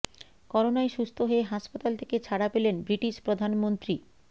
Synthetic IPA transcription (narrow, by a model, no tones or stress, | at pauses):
kɔɾonaeʃust̪ʰoɦoeɦaʃpat̪alt̪ʰeket͡ɕʰaɽapelenbɾiʈiʃpɾod̪ʱanmont̪ɾi